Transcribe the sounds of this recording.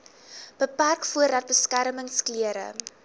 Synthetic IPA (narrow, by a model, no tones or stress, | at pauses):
b̥əpærkfuəɾdɐt̚bəskæɾməŋskliəɾə̰